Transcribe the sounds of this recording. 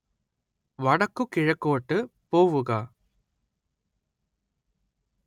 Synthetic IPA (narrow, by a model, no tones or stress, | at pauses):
ʋɐɽɐkːɯkɪɻɐkːoːʈːɯpoːʋɯɣɐ